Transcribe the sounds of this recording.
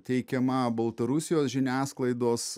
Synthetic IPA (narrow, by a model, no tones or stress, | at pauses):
t̪ʲɛɪkʲɛmɐbɐlˠt̪ɐɾʊsʲɪjoːsʒʲɪnʲæːsklˠɐɪd̪oːs